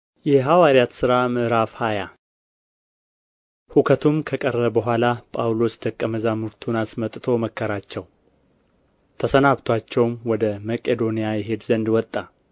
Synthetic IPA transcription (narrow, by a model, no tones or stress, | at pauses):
jɛɦawaɾijat̪sɨɾamɨʔɾafhaja | hukʰət̪ʰumkʰəkʼərəbəɦʷalapʼawlo̞sd̪əkʼːəməzamuɾt̪ʰunasmət̪ʼt̪ʰo̞məkʰːəɾat͡ʃːɛw | t̪ʰəsənaβt̪ʰwat͡ʃːɛwmwɔd̪əmakʼed̪o̞nijajɛɦe̞d̪zənd̪wɔt̪ʼːa